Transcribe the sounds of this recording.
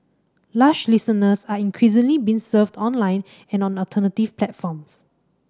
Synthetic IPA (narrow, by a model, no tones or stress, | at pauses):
laʃlisənəsaĩŋkʰɹisɪ̃ŋlibĩnsəvdɔ̃nlãɪ̃n | ɛ̃nɔ̃nɔltʰənətifplɛtfɔ̃ms